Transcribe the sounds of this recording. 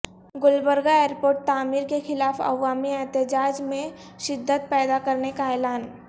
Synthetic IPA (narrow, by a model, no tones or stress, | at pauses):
ɡʊlbəɾɡaeːɾpoːɾʈ̚t̪aːmiːɾkexɪlaːfɐ̰ʋaːmiɛɦt̪ɪd͡ʒaːd͡ʒmẽ | ʃɪd̪ʱːət̪̚pɛːd̪akɐɾnekaɛːlaːn